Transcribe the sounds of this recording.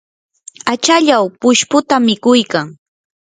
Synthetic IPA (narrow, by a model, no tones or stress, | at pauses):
at͡ʃaʎawpʊʃpʊt̪amɪkʊjkaŋ